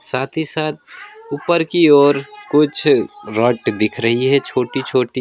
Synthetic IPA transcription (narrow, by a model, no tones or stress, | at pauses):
saːt̪ʰisaːt̪̚uːpəɾkioːɾkʊt͡ʃʰɾɔːʈd̪ɪkʰɾəɦiɦɛt͡ʃʰoːʈit͡ʃʰoːʈi